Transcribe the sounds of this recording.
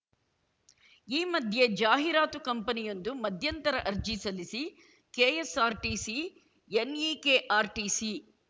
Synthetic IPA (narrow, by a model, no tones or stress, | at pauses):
iːmɐd̪ʱje̞d͡ʒaːɦiɾaːt̪ukɐmpɐnijo̞nd̪umɐd̪ʱjɐnt̪ɐɾɐʔɐɾd͡ʒisɐlisi | keːesaːɾʈiːsi | eniːkeːʔaːɾʈiːsi